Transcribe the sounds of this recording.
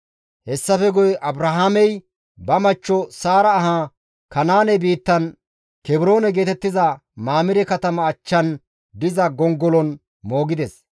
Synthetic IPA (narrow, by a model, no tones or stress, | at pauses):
hɛsːɐfɛɡɔjɛʔɐbɾɐɦamɛj | bɐmɐt͡ʃːɔsaːɾɐːɦa | kɐnaːnɛbiːt̪ːɐn | kɛbɪɾo̞ːnɛɡe̞ːt̪ɛt̪ːɪzɐ | maːmɪɾɛkɐt̪ɐmɐːt͡ʃːɐn | d̪ɪzɐɡɔŋɡɔlɔn | mo̞ːɡɪd̪ɛs